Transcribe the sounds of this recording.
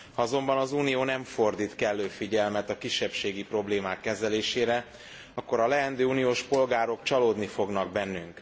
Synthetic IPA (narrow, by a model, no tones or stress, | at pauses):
hɒɒzo̞mbɒnɒzuːnijoːnɛɱfo̞rd̪iːt̪kɛlːøːfiɟɛlmɛt̪ɒkiʃːɛpʃeːɡipro̞bleːmaːkːɛzɛleːʃeːɾɛ | ɒkːo̞ɾɒlɛɛnd̪øːuːnijoːʃpo̞lɡaːɾo̞kt͡ʃɒloːd̪nifo̞ɡnɒɡ̚bɛnːyŋk